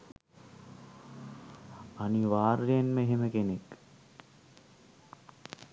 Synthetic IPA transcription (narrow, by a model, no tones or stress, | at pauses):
aniʋaːɾːejenməeɦeməkenek